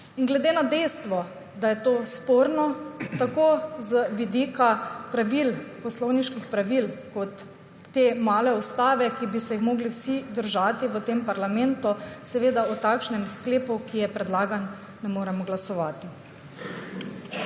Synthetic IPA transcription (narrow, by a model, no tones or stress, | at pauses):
inɡlɛd̪eːnad̪ɛjst̪ʋɔ | d̪ajɛt̪oːspoːɾnɔt̪akoːzəʋid̪iːkapɾaʋilpɔslɔwniʃkixpɾaʋilkɔt̪ː | eːmaːlɛɔst̪aːʋɛkibisɛjixmoːɡliwsid̪əɾʒaːt̪iʋət̪empaɾlamɛnt̪usɛʋeːd̪aut̪aːkʃnɛmskleːpukijɛpɾɛd̪laːɡanː | ɛmoːɾɛmɔɡlasɔʋaːt̪i